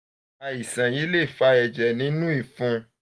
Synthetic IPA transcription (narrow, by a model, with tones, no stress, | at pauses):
a˧i˨sã˨ji˨˦le˦˨fa˧ɛ˧˨d͡ʒɛ˨nĩ˨˦nũ˦i˦˨fũ˧